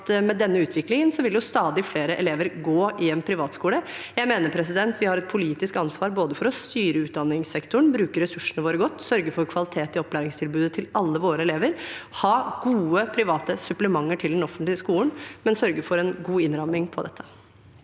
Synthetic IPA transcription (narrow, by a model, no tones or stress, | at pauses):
t̪mɛd̪ɛnːəʉːt̪ʰʋɪklɪŋənsɔʋɪljʊst̪ɑːd̪ɪfleːɾəʔɛ̰leːʋəɾɡoːʔɪɛnpʰɾɪʋɑːt̪skuːləjæɪmeːnəɾpʰɾɛs̬ɪd̪ɛnt̪ʰʋɪhɑɾɛt̪̚pʰʊliːt̪ɪskɑnsʋɑːɾboːd̪əfɔɾɔst̪yːɾəʉːt̪̚d̪ɑnːɪŋsɛkt̪ʊɳ̩bɾʉːkəɾːɛsʉʂːənəʋoːɾəɡɔt̪ːsœɾɡəfɔɾkʰʋɑlɪt̪ʰeːt̪ɪɔpːlæːɾɪŋst̪ʰɪlbʉːd̪ət̪ʰɪlɑlːəʋoːɾəɛleːʋəɾhɑːɡuːəpʰɾɪʋɑːt̪əsʉpləmɑŋːəʈʰɪld̪ɛnɔfənt̪lɪəskuːlənmɛnsœɾɡəfɔɾɛnɡuːɪnɾɑmɪŋpʰɔd̪ɛt̪ʰːə